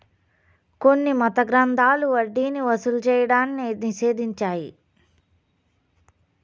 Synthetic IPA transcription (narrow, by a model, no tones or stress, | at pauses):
konːimɐt̪ɐɡɾɐnd̪ʱaːluɐɖːiːniʋɐsulut͡ʃɛːjɐɽaːnːiniʃe̞ːd̪iɲt͡ʃaːji